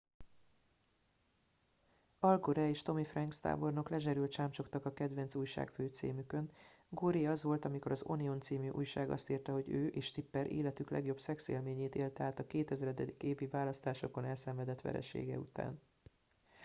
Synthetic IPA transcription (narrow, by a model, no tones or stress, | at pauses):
ɒlɡoɾɛeːʃt̪o̞mifrɛŋkst̪a̰ːbo̞rno̞klɛʒɛɾylt̪t͡ʃaːmt͡ʃo̞kt̪ɒkɒkɛd̪ʋɛnsuːjʃa̰ːkføːt̪sḭːmykø̞n | ɡoːɾiɒzʋo̞lt̪ɒmiko̞ɾɒzonio̞nt̪siːmyʔṵjʃaːɡɒ̰st̪iːrt̪ɛɦo̞ɟøːʔeːʃt̪ipːɛɾʔḛːlɛt̪yklɛ̰ɡjo̞bsɛksḛːlmeːɲeːt̪eːlt̪ɛaːt̪ɒkeːt̪ɛzɾɛd̪ɛd̪ikeːvivaːlɒst̪aːʃo̞ko̞nɛlsɛɱvɛd̪ɛt̪ʋɛ̰ɾɛ̰ʃḛːɡɛ̰ṵt̪a̰ːn